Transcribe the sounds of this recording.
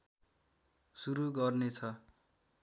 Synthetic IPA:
suɾuɡʌrnet͡sʰʌ

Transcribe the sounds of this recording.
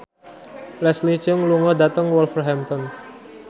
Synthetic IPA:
lɛslit͡ʃʊŋluŋɔdat̪əŋwɔlfərɦɛmt̪ɔn

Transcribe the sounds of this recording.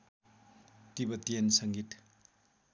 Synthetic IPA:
tibɐtiensɐŋɡit

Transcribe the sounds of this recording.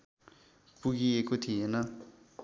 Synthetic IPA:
puk̬ijekut̪ʰiɦɛna

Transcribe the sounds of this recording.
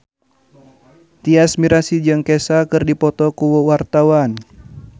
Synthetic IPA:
t̪iasmiɾasid͡ʒɨŋkɛsakɨrdipɔt̪ɔkuwɔwart̪awan

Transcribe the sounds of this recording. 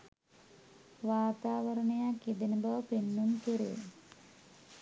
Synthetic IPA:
ʋaːt̪aːʋəɾəɳəjakid̪enəbaʋəpenːuŋkiɾejḛ

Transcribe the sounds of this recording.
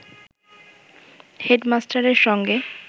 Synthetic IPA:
heɖmasʈaɾeɾʃɔŋɡe

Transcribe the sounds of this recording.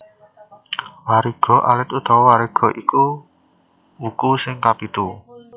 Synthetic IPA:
waɾiɡ̥ɔ̤ʔa̰lɪt̪ud̪̥ɔwaɾiɡ̥ɔ̤ʔiku | ukusɪŋkapit̪u

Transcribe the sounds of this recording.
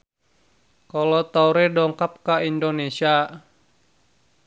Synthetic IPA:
kɔlɔt̪auɾɛdɔŋkap̚kaindonesia

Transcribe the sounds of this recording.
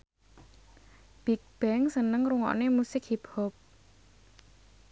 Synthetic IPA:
b̥ik̚b̥ɛŋsənəŋɾuŋɔ̰ʔnemusɪkhiphɔp̚

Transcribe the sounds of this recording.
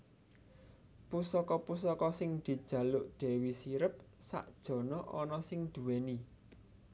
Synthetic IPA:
pusɔkɔpusɔkɔsɪŋd̪̥i̤d̥ʒ̥ä̤lʊʔɖ̪̥ɛ̤wisiɾəp̚sa̰ʔd̥ʒ̥ɔ̤nɔʔɔnɔsɪŋd̪̥ṳweni

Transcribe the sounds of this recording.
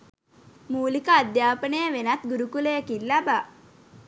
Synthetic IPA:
muːlikəːd̪jaːpənəjəʋenat̪̚ɡuɾukulejəkilːaba

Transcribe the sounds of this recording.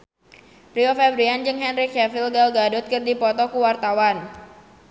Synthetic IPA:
priɔfɛbɾiand͡ʒɨŋɦɛnɾikɛfilɡalɡadʊt̪̚kɨrdipɔt̪ɔkuwart̪awan

